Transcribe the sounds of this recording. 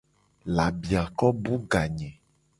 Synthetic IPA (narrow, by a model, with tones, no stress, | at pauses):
la˨bi˨a˨kɔ˦bu˦ɡa˨ɲɛ̃˨